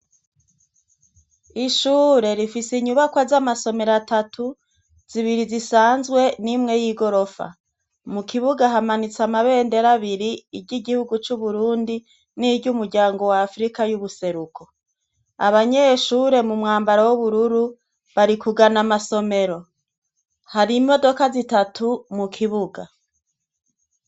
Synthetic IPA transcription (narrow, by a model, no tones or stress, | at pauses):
iʃuːɾe̞ɾifisiɲuβakwazamaso̞me̞ɾatatʰu | z̥iβiɾizisaːnzɡwe̞nimŋe̞jiːɡo̞ɾo̞fa̰ | mukʰiβuɡaɦamanit͡samaβe̞ːnde̞ɾaβiɾiiɟiɡihuɡut͡ʃuβuɾuːndi | niɟumuɾɟaːŋɡo̞waːfɾikajuβuse̞ɾukʰo̞ | a̰βaɲe̞ːʃuːɾe̞mumŋaːmbaɾawuβuɾuɾu | βaɾikuɡanamaso̞me̞ɾo̞ | haɾimo̞do̞kazitatʰumukʰiβuɡa̰